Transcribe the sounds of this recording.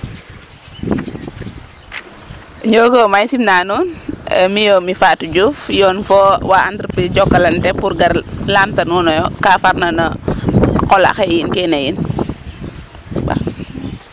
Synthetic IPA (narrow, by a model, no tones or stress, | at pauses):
ɲɔːkɔmaɲsimnaːnunɛmijomifaːtud͡ʒufjɔːnfɔwaantɾipiɟɔkːɐlɐntɛpuɾɡɐrlaːmtɐnuːnɔjɔkaːfaɾnɐnɐ | kɔla̰xɛjinkɛnɐjin | ba̰